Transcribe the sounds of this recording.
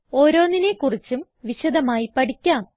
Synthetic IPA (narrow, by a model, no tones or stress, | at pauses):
o̞ːɾo̞ːnːine̞kurit͡ɕːum | ʋiɕɐd̪ɐmaːjipɐʈikʲːaːm